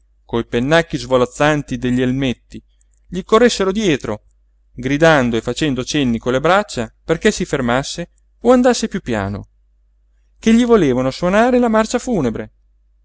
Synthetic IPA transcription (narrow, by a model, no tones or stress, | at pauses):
kojpenːakːizvolat̪sːant̪id̪eʎːielmet̪ːi | ʎikorːesːeɾod̪jɛːt̪ɾo | ɡɾid̪and̪oefːat͡ʃɛnd̪ot͡ʃenːikolebɾat͡ʃːaperkesifermasːe | oand̪asːepjupːja̰ːno̰ | keʎːivoleːvanoswonaːɾelamart͡ʃafuːnebɾe